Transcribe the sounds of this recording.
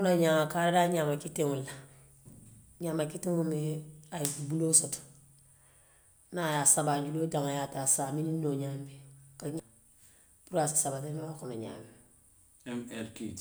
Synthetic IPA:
unaɲaːmakaɾadaɲamakiteŋula | ɲamakitiŋumeajikubulosot | najasabad͡ʒulod͡ʒaŋajatasamininoɲambekaɲ | puɾasi̥sabatemakomeɲa̰ːmi | ɛmɛlki

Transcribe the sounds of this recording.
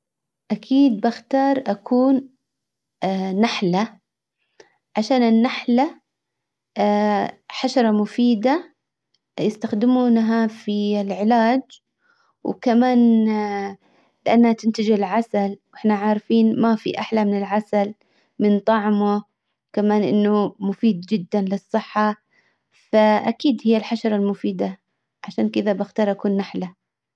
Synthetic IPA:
ʔakʰiːd̪̚baxt̪ɑːɾˤʔakʰuːn | aħla | ʕaʃaːnɪnːaħla | ħaʃɑɾˤɑmʊfiːd̪a | jɪst̪axd̪ɪmuːnɦafilʕɪlaːd͡ʒ | wkamaːn | lɪʔanːhat̪ɪnt̪ɪd͡ʒɪlʕasalwʔɪħnaʕaːɾfiːnmafḭʔaħlamɪnɪlʕasal | mɪnt̪ˤɑʕmʊ | kamaːnʔɪ̰nːʊmʊfiːd̪̚d͡ʒɪd̪ːanlɪsˤːɨħːɑ | faʔa̰kiːd̪hɪjːalħaʃɑɾˤɑlmʊfiːd̪a | ʕaʃaːnkɪðabaxt̪ɑːɾˤʔakuːnːaħla

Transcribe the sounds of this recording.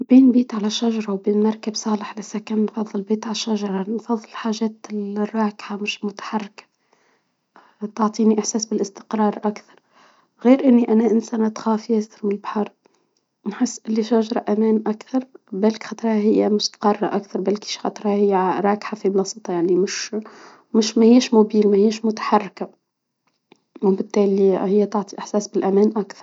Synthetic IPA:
biːnbiːt̪ʕalæʃaʒɑɾˤɑwbiːnmɑɾˤkabsˤɑːləħlɪsːækæːnnfɑðˤːɨlbiːt̪ʕalæʃːaʒɑɾˤɑnfɑðˤːɨllħaːʒɛːt̪ɪlrˤːɑːkħamɪʃmʊt̪ḁħɑrːɪkḁ | t̪oʕt̪ˤiːniʔɪħsæːsbɪlʔɪst̪ɪ̥qɾˤɑːɾˤʔakθɑ̥ɾˤ | ɣiːɾʔɪnːiʔænæʔɪnsænat̪xɑːfæsɪɾwɪlbħɑɾˤ | nħɪsːʔɪlːiʃæʒɾˤɑʔæmæːnʔakθɑɾˤbælkxɑt̪ˤɾˤhɑhɪjːæmʊst̪ḁqɑrˤːɑʔakθɑɾˤbælki̥ʃxɑt̪ˤɾˤhɑhɪjːæɾˤɑːkħafiblɑsˤɨt̪ˤɑjaʕnimɪʃ | mɪʃmæhiːʃmʊbiːlmæhiːʃmʊt̪ḁħɑrˤːka | wbɪt̪ːæːlihɪjːæt̪oʕt̪ˤiʔɪħsæːsbɪlʔæmæːnʔakθɑ̥ɾˤ

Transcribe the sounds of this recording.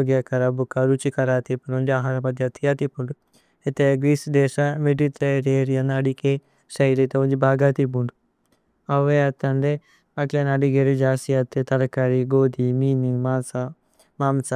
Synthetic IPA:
oɡjɐkɐɾɐbukɐɾut͡ʃikɐɾaːt̪ipɐnund͡ʒiaːɦaɾɐmɐd̪ʱjɐt̪ijat̪ipːuɳɖu | et̪eɡɾiːsd̪eːʃameɖit̪ɾɐjɾeːɾijɐnɐɖike | sɐjlit̪ɐund͡ʒibʱaːɡaːt̪ip̬uɳɖu | ɐʋeɐt̪ːɐɳɖe | ɐklenɐɖiɡeɾid͡ʒaːsijɐt̪ːet̪ɐɾɐkɐɾiɡoːd̪imiːniŋmaːsa | maːmsa

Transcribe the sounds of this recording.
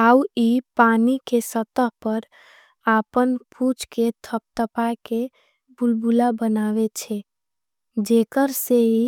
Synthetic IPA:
auipaːnikesət̪əɦpəɾ | aːpənpʰut͡ʃket̪ʰəp̚t̪əpake | bʊlbulabənaːʋet͡ʃʰɛ | d͡ʒeːkəɾseɦi

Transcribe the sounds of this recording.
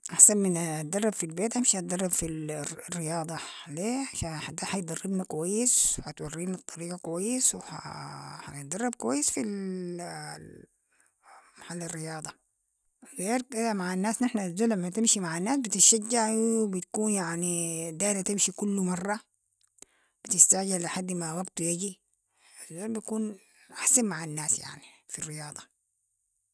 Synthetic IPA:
ʔaħsanmɪnt̪̚d̪ɑrˤːɑbfilbeːt̪ʔamʃiat̪̚d̪ɑrˤːɑbfilrːɪjɑːd̪ˤɑleːaʃaħad̪ːaːhaj̚d̪ɑrˤːɪbnakwajːɪswħat̪wɑrːiːnɨt̪ˤːɑɾiːɡɑkwajːɪswħa̰a̰jt̪̚d̪ɑrˤːɑb̚kwajːɪsfil | maħalːɪrːɪjɑːd̪ˤɑ | ɣeːɾkɪd̪amaʕanːaːsnɪħnazːuːlːamːat̪ɪmʃimaʕanːaːsbit̪ɪʃad͡ʒːaʕwwbit̪ḁkuːnjaʕnid̪aːʔlat̪ɪmʃikulːumɑrˤːɑ | b̥it̪ɪst̪aʕd͡ʒɪlaħad̪ːmawaɡt̪ujaɡi | azːoːlbit̪akuːn | ʔaħsanmaʕanːaːsja̰ʕnifirːɪjɑːd̪ˤɑ

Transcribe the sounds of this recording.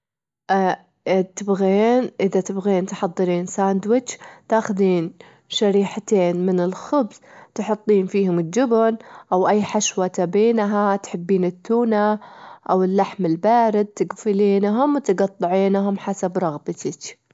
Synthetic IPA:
ʔ | t̪ɪbɣeːnʔɪðat̪ɪbɣeːnt̪ħɑðˤːɨɾiːnsaːnd̪wɪt͡ʃt̪aːxʊðiːn | ʃaɾiːħat̪eːnmɪnɪlxʊbzt̪ħʊt̪ˤːiːnfiːhʊmɪld͡ʒʊbʊnʔawʔajːħaʃwat̪abeːnɦat̪ħɪbːiːnɪt̪ːuːnaʔawɪlːaħmɪlbaːɾɪd̪̚t̪ɪɡfɪliːnɦʊmwt̪ɡɑt̪ˤːɑʕiːnɦʊmħasabɾˤɑɣbat̪at͡ʃ

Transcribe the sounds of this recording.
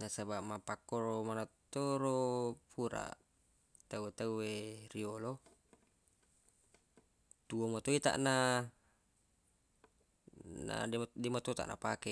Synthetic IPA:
nasabaʔmapakːoɾomanat̪ːoɾopʰuɾa̰ | t̪auet̪auweriolo | t̪uomot̪oit̪a̰ʔna | na̰dɛmot̪ot̪a̰ʔnʔa̰pakɛ

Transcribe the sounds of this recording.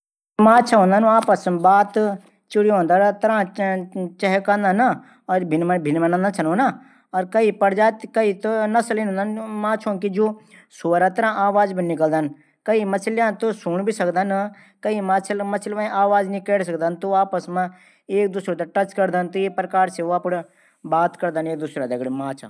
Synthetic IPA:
mãːt͡ʃʰaɦõːnd̪anuaːpəsmbaːt̪ | t͡ʃʊɽiɦõːnd̪aɾt̪ɐɾãː | t͡ʃɐɦkãnd̪ana | ɔːɾbʱɪnmbʱɪnmɐ̃nãnd̪ãt͡ʃʰɐnoːna | ɔːɾkɐipɐɾd͡ʒaːt̪kɐit̪onɐsəlinɦõnd̪anmãːt͡ʃʰõːkid͡ʒoːsoːɾat̪ɐɾãːʔaːʋaːd͡ʒbinɪkəld̪ən | kɐimɐsʰljãːt̪osuːɳbʱisɐkd̪an | kɐimaːt͡ʃʰəlmɐt͡ʃʰlʋãʔaːʋaːd͡ʒnĩkeːɽs̬ɐk̚d̪ant̪uaːpəsmã | eːk̚d̪usɾot̪ɐʈɐt͡ʃkɐɾd̪ənt̪ueːpɾkaːɾseaːpɽ | baːt̪kɐɾd̪əneːk̚d̪usɾad̪ɐɡɽemaːt͡ʃʰa̰

